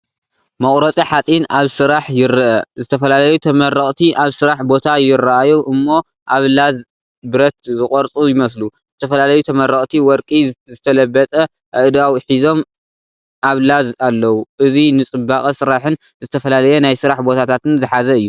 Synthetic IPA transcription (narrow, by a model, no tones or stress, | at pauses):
mɐχʼɾɐt͡sʼiħat͡sʼinaβsɨɾaħjɪɾɨʔɐzɨt̪ʰɐfɐlalɐjut̪ʰɐmɐrɐχʼt̪ʰiʔaβsɨɾaħbo̞t̪ʰajɪrɐʔajuʔɨmːo̞ | ʔaβlaz | bɨɾɐt̪̚zɨχʼɔɾt͡sʼujɪmɐsluzɨt̪ʰɐfɐlalɐjut̪ʰɐmɐrːɐχʼt̪ʰiwɔɾkʼizɨt̪ʰɐlɐbːɐt̪ʼɐ | ʔɐʔd̪awiħizo̞m | ʔaβlazalːɐwuʔɨzinɨt͡sʼɨbːaχʼɐsɨɾaħɨn | zɨt̪ʰɐfɐlalɐjɛnajsɨɾaħbo̞t̪ʰat̪ʰat̪ɨnzɨħazɐɨjːu